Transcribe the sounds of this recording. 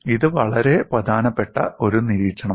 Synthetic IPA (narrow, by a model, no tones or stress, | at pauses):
iðɨʋɐɭɐɾe̞prɐd̪ʱaːnɐpːe̞ʈːɐ̰ʔo̞ɾuniɾiːɐɳɐ